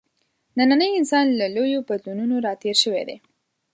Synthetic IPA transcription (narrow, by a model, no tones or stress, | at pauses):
nananəjɪnsɑnlalojobad̪lununoɾɑt̪eɾʃəwḛd̪ḛ